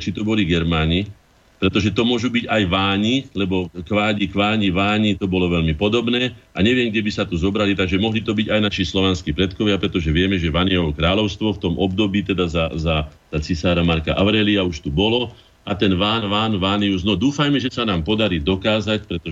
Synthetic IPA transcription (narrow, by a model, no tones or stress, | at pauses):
t͡ʃit̪ɔbɔliɡɛɾmaːɲi | pɾɛt̪ɔʒɛt̪ɔmʊɔʒubiɟajʋaːɲilɛbɔkʋaːɟikʋaːɲiʋaːɲit̪ɔbɔlɔʋɛʎmipɔd̪ɔbnɛːaɲɛʋɪɛmɡɟɛbisat̪uzɔbɾalit̪aɡʒɛmɔɦlit̪ɔbiɟajnaʃislɔʋɛnskiːpɾɛt̪kɔʋɪapɾɛt̪ɔʒɛʋɪɛmɛʒɛʋaniɛɦɔkɾaːlɔʊst̪ʋɔft̪ɔmʔɔbd̪ɔbiːt̪ɛd̪azaza | zat͡sisaːɾamaɾka̰ʔaʊɾɛːliauʃt̪ubɔlɔ | at̪ɛnʋaːnʋaːnʋaːniuznɔd̪uːfajmɛʒɛsanaːmpɔd̪aɾiːd̪ɔkaːzacpɾɛt̪ɔ